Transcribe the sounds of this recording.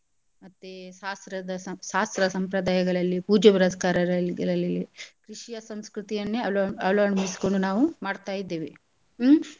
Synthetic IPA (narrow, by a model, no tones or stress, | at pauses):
mɐt̪ːeʃaːst̪ɾɐd̪ɐʃaːst̪ɾɐsɐmpɾɐd̪aːjɐɡɐɭɐlːipuːd͡ʒɐbiɾɐskaːɾɐɾɐɡɐlːikɾiʂijɐsɐmskɾut̪ijɐnːeɐlɐːɳmisi̥ko̞ɳɖunaːʋumaːɽt̪aːjid̪ːe̞ːʋi